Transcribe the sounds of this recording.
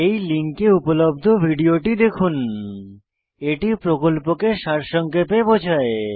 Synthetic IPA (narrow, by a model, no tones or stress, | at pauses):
ejliŋkeupolob̚d̪ʱobʱiɖioʈid̪ekʰun | eʈipɾokolpokeʃaɾʃɔŋkepebod͡ʑʰʱae